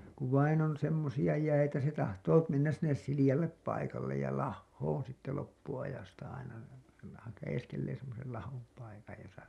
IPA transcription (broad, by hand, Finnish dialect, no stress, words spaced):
kuʋ ʋɑin on semːosijɑ jæitæ se tɑhtoː menːæs sinːes silijɑlːep pɑikɑlːej jɑ lɑhːoːn sitːe lopːuɑjɑstɑ ɑinɑ se lɑ hɑjeskelːeː semːosel lɑhom pɑikɑj josɑ